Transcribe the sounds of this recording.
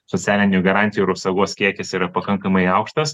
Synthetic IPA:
sotsʲæːlʲɪnʲʊɡɐɾɑnt̪ʲɪjuɪɾɐpsɐɡuɔskʲiɛkʲɛsiːɾɐpɐkɐŋkɐmɐɪɐʊkʃt̪ɐs

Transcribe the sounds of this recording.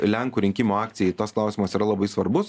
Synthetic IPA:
lʲɛŋkuːɾʲɪŋʲkʲɪmoːɑːk̚t̪sʲɪjɛɪt̪osklˠɐˑʊsʲiːmɐsiːɾɐlˠɐbɐɪsʋɐɾbʊs

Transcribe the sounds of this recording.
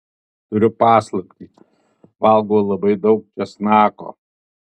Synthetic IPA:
t̪ʊɾʲʊpɑːslˠɐpʲtʲi | ʋɑlˠɡoːlˠɐbɐɪd̪ɒʊk̚t͡ʃʲɛsnɑːko̰ː

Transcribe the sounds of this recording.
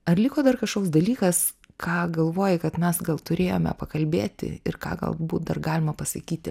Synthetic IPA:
ɐrlʲɪkoːd̪ɐrkɐʃkoːksd̪ɐlʲiːkɐs | kʰɑːɡɐlˠʋoːjɪkɐt̪mʲɛsɡɐlˠt̪ʊɾʲeːjoːmʲɛ̰pɐkɐlʲbʲeːt̪ʲɪ̰ɪrkɑ̰ːɡɐ̰lˠbuːt̪̚d̪ɐrɡɑːlʲɪmɐpɐsɐkʲiːt̪ʲɪ

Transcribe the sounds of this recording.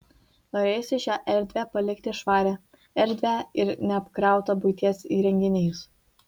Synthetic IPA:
noːɾʲeːjʊsʲɪʃʲæːʔɛɾʲd̪ʲʋʲæːpɐlʲɪkt̪ʲɪʃʋɑːɾʲæː | ɛɾʲd̪ʲʋʲæːɪɾnʲɛɐpkɾɑˑʊt̪ɐbʊɪt̪ʲiɛsiːɾʲɛŋʲɡʲɪnʲɛːjʊs

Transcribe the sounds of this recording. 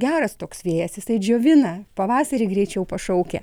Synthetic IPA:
ɡʲæːɾɐst̪oːksʋʲiːjɛsjɪsɐɪd͡ʒʲoːʋʲɪnɐpɐʋɑːsɐɾʲiɡɾʲɛɪt͡ʃʲɛʊpɐʃɐʊkʲɛ̰

